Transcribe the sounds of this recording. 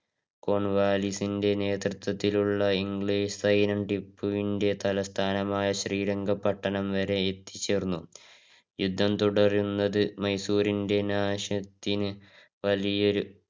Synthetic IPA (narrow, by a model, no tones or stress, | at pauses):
ko̞ɳʋaːlisinde̞ne̞ːt̪rɨt̪ːwɐt̪ːiluɭːɐiŋɡɭiːʂsɐjnɐmɖipːuʋinde̞t̪ɐlɐst̪ʰaːnɐmaːjɐɕriːɾɐŋɡɐpːɐʈːɐnɐmʋɐɾe̞ːt̪ːi̥t͡ɕːe̞ːrnːu | jud̪ʱːɐmt̪uɽɐrjunːɐðɨmɐjsuːɾinde̞naːɕɐt̪ːinɨ | ʋɐlijoɾu